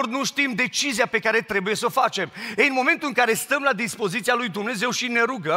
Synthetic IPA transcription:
rnuʃt̪imd̪e̞t͡ʃizijape̞kaɾe̞t̪ɾe̞buje̞səfat͡ʃe̞mejɨnmo̞ment̪ulɨŋkaɾe̞st̪əmlad̪ispo̞zit̪sialujd̪umne̞ze̞wʃine̞ɾuɡə

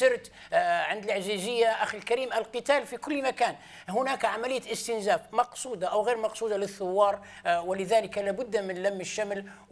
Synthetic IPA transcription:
ɪɾt̪ | ʕɪnd̪lʕzizɪjːaʔaxɪlkaɾiːmʔælqɨt̪aːlfikʊlːmakaːn | hʊnaːkʕamælɪjːaʔɪst̪ɪnzaːfmɑqsˤuːd̪ɑʔawɣeːɾmɑqsˤuːd̪ɑlɪθːʊwːɑːɾˤ | wɪlɪðaːlɪkalaːbʊd̪ːmɪnlamːɪʃːaml

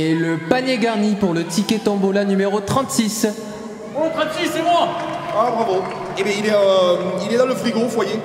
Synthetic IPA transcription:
eləpanɲjeɡaʁnipuʁlət̪ikʲet̪ɔ̃bolanymeʁot̪χɑ̃t̪sis | ot̪χɑ̃t̪sisːem̃ãabʁavo | ebɛ̃ilɛøilɛd̪ɑ̃ləfχiɡɔ̃fwaje

